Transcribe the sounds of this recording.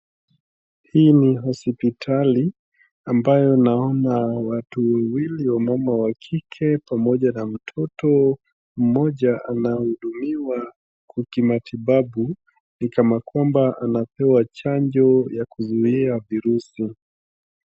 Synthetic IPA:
hiːniɦɔspitʰali | ambajɔnaɔnawatuwɛwiliwamamawakʰikʰɛpamɔʄanam̩tʰɔtɔ | m̩mɔʄaʔanahuɗumiwa | kukimatʰiɓaɓu | nikamakwambaʔanapɛwat͡ʃaɲd͡ʒɔjakuzuiaviɾusi

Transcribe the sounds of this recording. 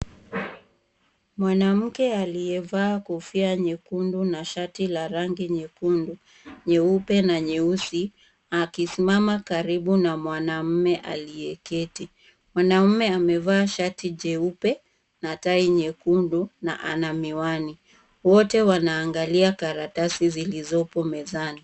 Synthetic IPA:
mwanam̩kɛalijɛvaːkɔfiaɲɛkundunaʃatilaɾaŋɡiɲɛkundu | ɲɛupɛnaɲɛusi | akisimamakaɾiɓunamwanam̩mɛʔa̰lijɛkɛti | mwanam̩mɛamɛvaːʃatiʄɛupɛ | nataiɲɛkunduna̰ʔanamiwani | wɔtɛwanaːŋɡaliakaɾatasizilizɔpɔmɛzani

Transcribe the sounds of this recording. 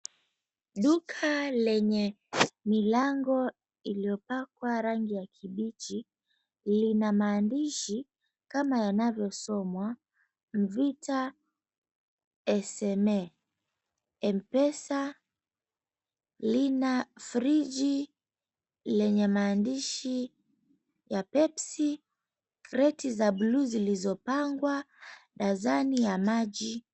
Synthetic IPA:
ɗukʰalɛɲɛ | milaŋɡɔ | iliɔpakwaɾaŋɡijakʰiɓit͡ʃi | linamaːndiʃi | kamajanavjɔsɔmwa | m̩vita | ɛsɛmɛ | ɛm̩pɛsa | linafɾid͡ʒi | lɛɲɛmaːndiʃi | japɛpsi | kɾɛtizabluzilizɔpaŋɡwa | ɗazanijamaʄi

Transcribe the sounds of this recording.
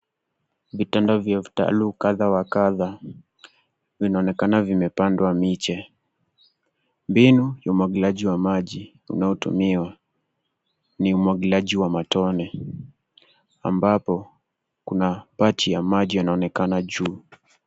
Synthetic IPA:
vitandavjavita̰luːkaðawakaða | vinaɔnɛkanavimɛpandwamit͡ʃɛ | mbinujaumwaɡilaʄiwamaʄi | ṵnaɔtṵmiwa | niumwaɡilaʄiwamatɔnɛ | a̰mbapɔ | kunapatijamaʄijanaɔnɛkanaʄuː

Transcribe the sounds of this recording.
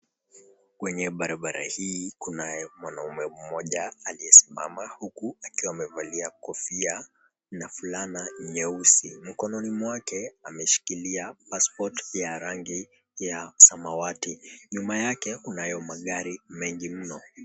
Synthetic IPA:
kwɛɲɛɓaɾaɓaɾa̰hiːkunajɛmwanaumɛm̩mɔʄaːliɛsima̰mahukuakiwaːmɛvaliakɔfia | nafulanaɲɛusḭm̩kɔnɔnimwakɛamɛʃi̥kiliapaspɔtjaɾaŋɡi | jasamawatiɲumajakɛkunajɔmaɠaɾimɛŋɡim̩nɔ

